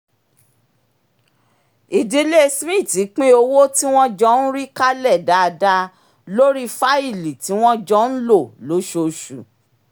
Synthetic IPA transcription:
i˨di˨˦le˦˧smĩ˦˨ti˨˦k͡pĩ˦o˧wo˦ti˦w̃ɔ̃˦d͡ʒɔ˦n̩˦ɾi˦ka˦lɛ˦˨da˨˧da˧ | lo˦ɾi˦fa˦i˦˨li˨ti˨˦w̃ɔ̃˦d͡ʒɔ˦n̩˦lo˦˨lo˨˦ʃo˧˨ʃu˨

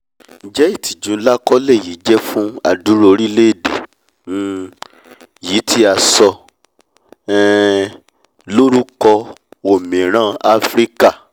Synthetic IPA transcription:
n̩˨d͡ʒɛ˦i˦˨ti˨d͡ʒũ˨˦la˦kɔ˦lɛ˦˨ji˨˦d͡ʒɛ˦fũ˦a̰˨du˨˦ɾo˧ɾi˦le˦e˦˨dḛ̃˨˦˨ | ji˨˦tʰi˦a˧sɔ˧ | ɛ˦ | lo˦ɾu˦kɔ˧o˨mĩ˨ɾ̃ã˦a˧fɾi˦ka˦˨

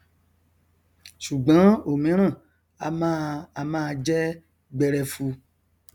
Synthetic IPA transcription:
ʃu˨ɡ͡bã˨˦o˨mĩ˨˦ɾ̃ã˦˨ | a˧mã˦a˧mãː˦˧d͡ʒɛ˦ | ɡ͡bɛ˧ɾɛ˧fu˧

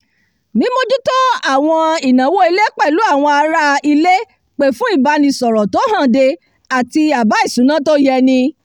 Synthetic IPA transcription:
nĩ˦mo˧d͡ʒu˦tɔ˦a˦˨w̃ɔ̃˧i˨nã˨˦wo˦i˧le˦k͡pɛ˦˨lu˨˦a˦˨w̃ɔ̃˧a˧ɾa˦i˧le˦ | k͡pe˨fũ˦i˦˨ba˧nĩ˧sɔ˨ɾɔ˨to˨˦ɦã˦˨de˧ | a˨ti˧a˨ba˨˦i˦˨sũ˨˦nã˦to˦jɛ˧nĩ˧

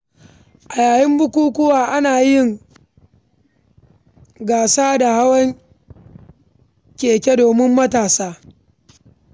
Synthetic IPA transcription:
ʔa˨jaː˨jɪ˦mbʊ˦kʷuː˦kʷʊ˦waː˨ʔa˦naː˨jɪ˦ŋ | ɡaː˨saː˦da˨ha˦wɐ˦ŋ | kʲeː˨kʲe˦doː˨mɪ˦mːɐ˦taː˨saː˦

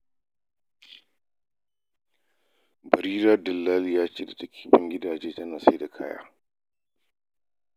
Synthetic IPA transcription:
bɐ˨ɾiː˦ɾaː˦dɐ˨lːaː˦ljaː˦t͡ʃeː˦da˨tɐ˦kʰʲi̥ː˦bɪ˦ŋɡʲɪ˦daː˨d͡ʒeː˦tɐ˦naː˨sa˦da˨kʰa̰ː˦ja̰ː˦

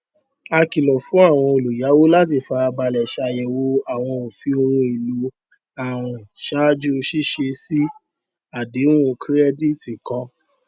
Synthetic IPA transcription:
a˧ki˨lɔ˨fũ˨˦a˦˨w̃ɔ̃˧o˨lu˨ja˨˦wo˦la˦t̬i˧˨fa˧ba˧˨lɛ˨ʃa˧˨jɛ˨wo˧a˨w̃ɔ̃˧o˨fi˧o˧ɾũ˧i˨lu˨˦ | a˨ɾ̃ʃa˦d͡ʒu˦˧ʃi˦ʃe˧si˦ | a˨di˨˦ũ˦˧kɾɛ˦di˦˨ti˨kɔ̃˧˦

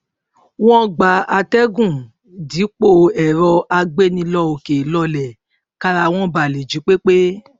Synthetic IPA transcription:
w̃ɔ̃˦ɡ͡ba˨a˧tɛ˦ɡũ˦˨ | di˨˦k͡po˧ɛ˨ɾɔ˧a˧ɡ͡be˦nĩ˧lɔ˧o˨ke˨˦lɔ˧lɛ˨ | ka˧ɾa˧w̃ɔ̃˦ba˨le˨d͡ʒi˨˦k͡pe˦k͡pe˦

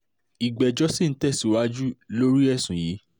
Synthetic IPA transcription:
i˨ɡ͡bɛ˨d͡ʒɔ˦si˦˨n̩˦tɛ˦˨si˨wa˦d͡ʒu˦lo˦ɾi˦ɛ˦˨sũ˨ji˨˦

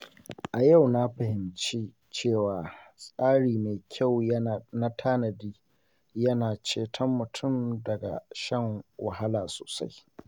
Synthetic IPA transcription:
ʔa˨ja˦˨wna˦ɸa˨hɪ˨mt͡ʃi˦ | t͡ʃeː˦˨waː˨sʼaː˦ɽiː˨meː˨kʲʰa˦˨wna˦tʰaː˦nɐ˨diː˦ | jɐ˦naː˨t͡ʃeː˦tʰɐ˦mːʊ˨tʰʊ˦˨mdɐ˨ɡa̰˨ʃɐ˦ŋwɐ˨ɦa˦laː˨so̰ː˨sa̰˦j

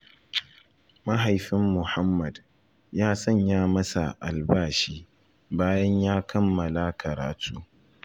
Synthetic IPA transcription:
mɐ˦ɦa˨jɸɪ˦mːʊ˨ha˦mːɐ˨d | jaː˦sɐ˦˨ɲjaː˦mɐ˦sa̰˨ʔa̰˨lbaː˦˨ʃiː˦ | baː˦jɐ˦ɲjaː˦kʰɐ˦mːɐ˨la˦kʰɐ˨ɾa̰ː˨tʰuː˦

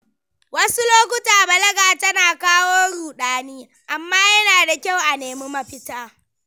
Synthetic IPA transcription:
wɐ˦su˦loː˦k̬ʷʊ˦taː˨bɐ˨lɐ˦ɡaː˨tɐ˦naː˨kaː˦woː˦ɽuː˨ɗaː˦niː˦ | ʔa˨mːaː˦jɐ˦naː˨da˨kʲa˦˨wʔa˨neː˨mi˦mɐ˦ɸɪ˦taː˦

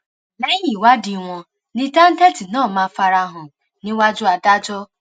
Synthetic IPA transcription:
na˦i˦ɲi˨wa˦dɪ˨ŋʷɔ˨ | nɪ˦ta˦n̩˦te˦ti˨nɔː˦˨ma˨fa˨ɾa˦ɦʊ˨ | nɪ˦wa˦d͡ʒʊ˦a˨da˦d͡ʒɔ˦

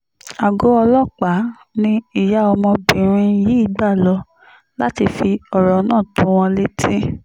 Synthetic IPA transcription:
a˨ɡo˨˦ɔ˧lɔ˦k͡pa˨˦ | nĩ˧i˨ja˨˦ɔ˧mɔ̃˧bĩ˨ɾ̃ĩ˧ji˨˦i˦˨ɡ͡ba˦˨lɔ˧˦ | la˦ti˧fi˧ɔ˨ɾɔ˨˦nãː˦˨tũ˨˦w̃ɔ̃˧le˦tĩ˦

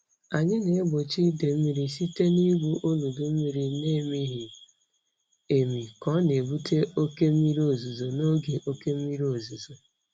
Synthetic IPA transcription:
a˨ɲɪ˦ne˨e˦ɡ͡bo˨t͡ʃi˦de˨m̩˦mi˦ɾi˦si˦te˦ni˦ɡʷu˦ʔo˦lu˨du˨m̩˦mi˦ɾi˨ne˦˨mi˦ɦi˨ | e˨mi˨kɔ˦ne˨bu˦tʰe˦ʔo˦ke˦m̩˦i˦ɾi˦o˨zu˨zo˨no˦ɡe˨ʔo˦ke˦m̩˦mi˦ɾi˦o˨zu˨zo˨

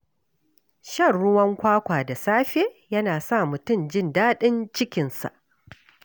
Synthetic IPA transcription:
ʃɐ˦˨rɽʊ˦wɐ˦ŋkʷaː˦kʷaː˨da˨saː˦ɸeː˦jɐ˦naː˨sa˦˨mʊ˨tʊ˦˨md͡ʒɪ˦ndaː˦ɗɪ˦nt͡ʃɪ˦kʲɪ˨nsa̰˨ʔ

